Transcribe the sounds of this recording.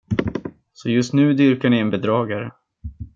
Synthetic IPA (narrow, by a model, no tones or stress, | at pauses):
sɔjɵst̪nʉ̟ːd̪ʏɾkaɳɪɛnbɛd̪ɾɑːɡaɾə